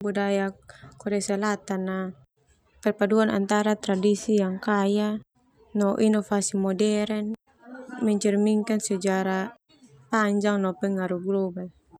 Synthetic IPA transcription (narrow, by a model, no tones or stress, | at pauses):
budajakɔɾɛasɛlat̪anːa | pɛrpaduana̰nt̪aɾat̪ɾadisijaŋkaja | nɔʔinɔfasimɔdɛɾɛn | mɛɲt͡ʃɛrmiŋkansɛd͡ʒaɾa | paɲd͡ʒaŋnɔpɛŋaɾuɡlɔbal